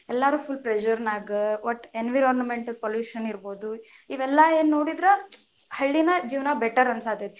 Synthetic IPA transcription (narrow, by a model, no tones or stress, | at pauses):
ɛlːaːɾuːpʰulpɾed͡ʒɐɾnaːɡiʋɐʈenʋiɾɔːɾnɐmeɳʈɐlpoljuːʃɐniɾboːd̪uiʋɛlːɐeːnnːo̞ːɽid̪ɾe | hɐɭːinɐd͡ʒiːʋɐnɐbɛʈɐɾɐnsaːt̪ed̪